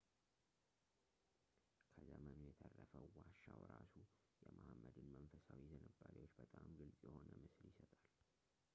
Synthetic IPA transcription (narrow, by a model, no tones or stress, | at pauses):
kʰəzəmənujɛt̪ʰərːəfəwaʃawɾasu | jɛmahmːəd̪ɨnmənfəsawizənəbːaɾiwo̞t͡ʃːbət̪ʼamɡɨlsʼjɛho̞nəmɨsɨljɪsət̪ʼal